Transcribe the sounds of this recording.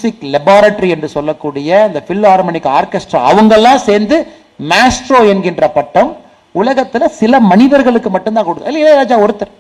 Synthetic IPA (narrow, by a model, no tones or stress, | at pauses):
sɪklɛbaːɾɐʈːɾiɛndrɯsɔlːɐkːuːɽɪjɐɐnd̪ɐfɪlːaːɾmɐnɪkːaːɾkɛsʈɾa̰ːɐʋɐŋɡɐlːãːseːɾnd̪ɯ | maːsʈɾoːɛnɡɪndrɐpɐʈːɐm | ʊlɐɣɐt̪ːɪlɐsɪlɐmɐnɪðɐɾɣɐɭɯkːɯmɐʈːɯnt̪ãːkɔɽɯt̪ːɪlːɐɪlːɐɾaːd͡ʒaːɔɾɯt̪ːɐɾ